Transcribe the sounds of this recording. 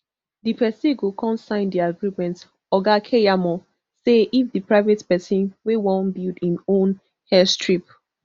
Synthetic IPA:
dipʰɛsiɡokʰɔ̃nsãɪ̃ndiaɡɹimɛ̃nt | ɔɡakʰejamɔ | seifdipɹaɪvetpɛsĩnwewɔ̃nbildĩnõn | hɛstɹip

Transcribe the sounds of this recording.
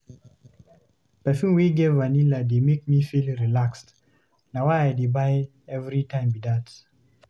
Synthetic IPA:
pɛfũnwiɡevvanilademek̚mifilɹilakst | nawajaɪdebaɪ | ɛvɾitãɪ̃mbidat

